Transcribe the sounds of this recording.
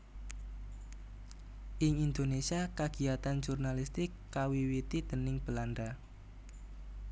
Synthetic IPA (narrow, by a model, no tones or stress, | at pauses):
ʔɪŋind̪onesiakaɡ̥iat̪and͡ʒurnalist̪ɪkːawiwit̪id̪̥ənɪŋb̥əland̪a